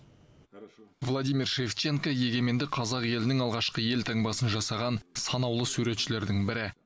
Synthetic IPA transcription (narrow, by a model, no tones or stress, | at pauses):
vlˠod̪ijmirʃe̞ft͡ʃe̞ŋkoje̞ɡʲe̞me̞nd̪ɪqʰɑzɑqje̞lɪnɪŋɑlˠʁɑʃqəje̞lt̪ʰɑŋbɑsənʒɑsɑʁɑnsɑnɑwlˠəsuɾe̞t̪ʃɪle̞ɾd̪ɪŋbɪɾɪ